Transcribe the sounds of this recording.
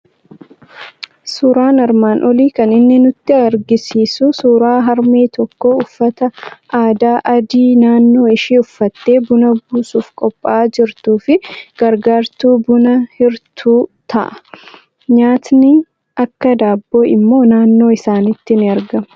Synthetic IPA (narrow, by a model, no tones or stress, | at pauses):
suːɾaːnɐɾmaːnʔɔliːkɐnɪnːɪnʊt̪ːɪɐɾɡɪsiːsʊsuːɾaːɦɐɾmeːt̪ɔkːo̞ːʊfːɐt̪ɐaːd̪aːʔɐd̪iːnaːnːo̞ːɪʃiːʊfːɐt̪ːe̞ːbʊnɐbuːsuːfkʼɔpʼːaːd͡ʒɪɾt̪uːfɪɡ̥ɐɾɡaːɾt̪uːbʊnɐhɪɾt̪ʰuːt̪ʰɐʔɐ̥ | ɲaːt̪nɪ | ɐkːɐd̪aːbːo̞ːɪ̰mːo̞ːnaːnːo̞ːɪsaːnɪt̪ːɪnɪɐɾɡɐmɐ